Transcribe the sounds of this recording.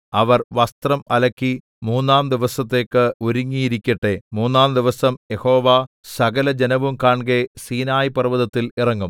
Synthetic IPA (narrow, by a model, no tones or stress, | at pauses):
ɐʋɐrʋɐst̪rɐmɐlɐkːi | muːnːaːmd̪iʋɐsɐt̪ːe̞ːkːɨuɾuŋːijiɾikʲːɐʈːe̞muːnːaːmd̪iʋɐsɐmjeho̞ːʋa | sɐɡɐlɐd͡ʑenɐʋumkaːɳɡesiːnaːjipɐrʋɐðɐt̪ːilirɐŋːum